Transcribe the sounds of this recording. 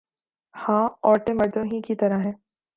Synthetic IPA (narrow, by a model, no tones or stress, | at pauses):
hãːɔːʈemɐɾd̪õɦĩkit̪ɐɾaɦɛ̃ː